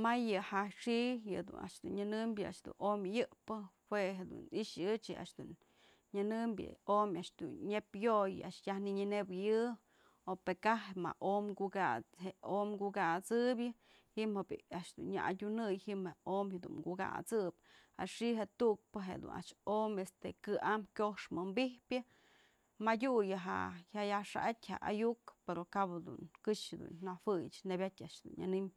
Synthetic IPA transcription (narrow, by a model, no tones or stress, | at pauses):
majɨhaʂijɨd̪ṵnʔa̰ʔʂd̪unɲɨnɨmbʲjɨʔaʔʂd̪ṵnʔomʲɨjɨʔpɨhweɦed̪ṵniʔʂɨt͡ʃɨʔa̰ʔʂd̪un | ɲɨnɨmbʲjɨ̰omʲaʔʂd̪ṵnɲepjoja̰ʔʂjahniɲɨnebjɨ | opekaɦema̰ʔomɡuɡat͡sheʔomɡuɡat͡sɨbjɨ | himhab̰aʔʂd̪unɲa̰ʔadʲunɨjhimheomad̪ṵŋɡuɡa̰t͡sɨp | a̰ʂiɦet̪uʔk̚pɨɦḛd̪ṵnʔa̰ʔʂomest̪ekɨʔamkʲohʂmɨmbihpʲjɨ | madʲujɨɦa̰hajaʂa̰ʔatʲha̰ʔa̰jukpeɾokabd̪ṵnkɨʂed̪ṵnnawɨjt͡ʃnebʲat̪ʲaʔʂd̪ṵna̰nim